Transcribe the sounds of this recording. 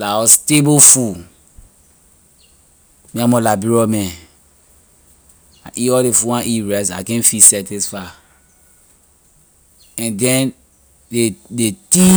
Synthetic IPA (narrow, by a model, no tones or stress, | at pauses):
laɔstebofu | miamɔlabiɹɔmɛ̃ | aʔiɔdefuwãnʔiɹɛsa̰kɛ̃nfisɛtisfa | ɛ̃ndɛ̃n | edeti